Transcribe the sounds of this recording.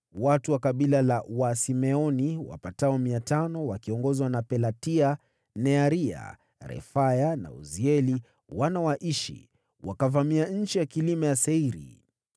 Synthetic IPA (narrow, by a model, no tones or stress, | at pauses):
watuwakaɓilalawasimɛɔniwa̰pataɔmiatanɔwakiɔŋɡɔzwanapɛlatia | nɛaɾia̰ | ɾɛ̰fajana̰ṵziɛli | wanawaʔiʃḭ | wʔakavamiaɲ̩t͡ʃijakilimɛjasɛiɾḭ